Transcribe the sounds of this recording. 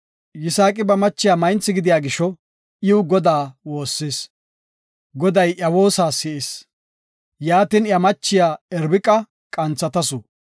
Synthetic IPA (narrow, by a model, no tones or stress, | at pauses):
jɪsaːkʼɪbɐmɐt͡ʃːɪjaːmɐjnt͡sːɪɡɪd̪ɪjaːɡɪʃɔ | ʔɪwɡɔd̪aːwo̞ːsːeːs | ɡɔd̪ɐjʔɐwoːsaːsɪʔes | jaːt̪ɪnjɐmɐt͡ʃːɪjaːɛɾbɪkʼɐ | kʼɐnt͡sːɐt̪ɐsʊ